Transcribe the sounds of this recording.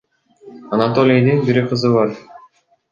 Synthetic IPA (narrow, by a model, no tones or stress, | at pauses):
ɑnat̪olʲejd̪inbiɾiqɯzɯβɑɾ